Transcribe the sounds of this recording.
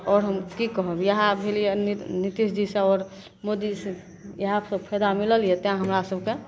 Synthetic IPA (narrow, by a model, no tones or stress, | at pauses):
ɔːɾɦəmkikəɦəbjəɦãbʱelijenit̪isd͡ʒisə̃ɔːɾ | mod̪is | jɦapsəbpʰɛd̪amiləlijet̪eɦãɦəmɾasəbke